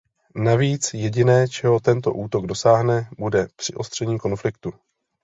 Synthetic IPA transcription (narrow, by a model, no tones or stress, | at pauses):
naviːt͡sjɛɟɪnɛːt͡ʃɛɦo̞t̪ɛnt̪o̞̰ʔuːt̪o̞ɡdo̞saːɦnɛbudɛpr̝̥ɪʔo̞st̪r̝̥ɛɲiːko̞nflɪkt̪u